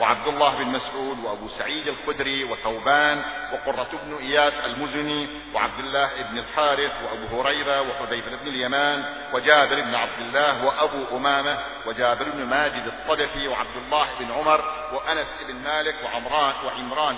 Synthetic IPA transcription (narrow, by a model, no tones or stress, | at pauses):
wɪʕa̰b̚d̪ʊlˤːaːhɪbɪnmasʕuːd̪wɪʔabusaʕiːd̪alxʊd̪ɾiwɪθawbaːnwɪqʊrˤːɑt̪ɪbnʔɪjaːsalmʊzʊni | wɪ̰ʕa̰b̚d̪ɪlːaːhʔɪbnɪlħɑːɾɪfwɪʔabuːhʊɾɑjɾawɪħʊdajbɪɾʔɪbnɪljamaːn | wɪd͡ʒaːbɪɾʔɪbnʕab̚d̪ɪlːaːhwɪʔabuʔʊmaːma | wɪd͡ʒaːbɪɾɪbnmaːd͡ʒɪd̪ɨt̪ˤːɑd̪afiwɪʕa̰b̚d̪ʊlːaːhʔɪbnʕʊmɑɾˤ | wɪʔanasʔɪbnmaːlɪkwɪʕʊmɾˤɑːwɪʕɪmɾˤɑːn